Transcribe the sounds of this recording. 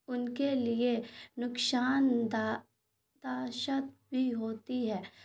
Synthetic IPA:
ʊnkelienʊksaːnd̪a | d̪aːʃət̪̚bʱiɦoːt̪iɦɛː

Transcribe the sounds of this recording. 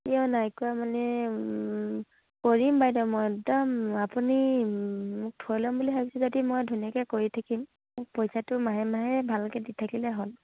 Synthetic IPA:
iɔnajkʊamanɛ | koɹimbajdɔmɔjɛk̚dɔmapuni | mʊk̚tʰɔɹlɔmbuliɦabisɛzodimɔjdʱunijakɛkoɹitʰakim | mʊk̚pɔjsatʊmaɦɛmaɦɛbʱalkɛditʰakilɛɦol

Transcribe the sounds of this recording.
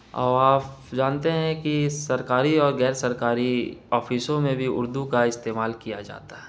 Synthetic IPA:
ɔ̰ːɾaːpd͡ʒaːnt̪eɦɛ̃kisɐɾkaːɾiɔːɾɣɛːɾsɐɾkaːɾiɔːfiːsõmẽbʱiʊ̰ɾd̪ukaɪst̪eːmaːlkijad͡ʒa̰ːt̪aɦɛː

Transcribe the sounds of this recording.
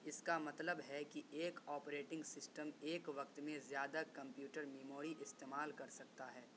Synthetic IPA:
ɪskamɐt̪ləbɦɛkiʔeːkɔːpɾeːʈɪ̃ŋɡsɪsʈəmeːkʋɐk̚t̪mẽzjaːd̪akɐ̃mpjuːʈəɾmeːmoːɾiʔɪst̪eːmaːlkɐɾsɐkt̪aɦɛː

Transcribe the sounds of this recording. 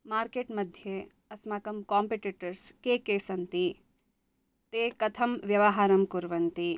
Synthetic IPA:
maːɾkeːʈmɐd̪ʱje | ɐsmaːkɐmkaːmpeʈiʈɐɾskeːkeːsɐnt̪i | t̪eːkɐt̪ʰɐmʋjɐʋɐɦaːɾɐmkuɾʋɐnt̪i

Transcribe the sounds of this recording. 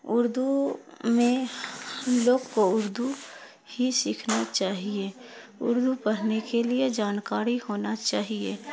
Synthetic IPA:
ʊɾd̪umẽ | loːɡkoʊɾd̪u | hisiːkʰnat͡ʃaːɦie | ʊ̰ɾd̪upɐɽ̤nekelied͡ʒaːnkaːɾihoːnat͡ʃaːɦiḛː

